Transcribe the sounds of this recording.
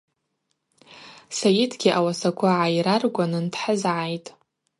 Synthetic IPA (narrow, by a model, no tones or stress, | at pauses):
sajɪdʰɡʲiʔawasakʷʰaʕajiɾarɡʷanɨntʰħəzʕajtʼ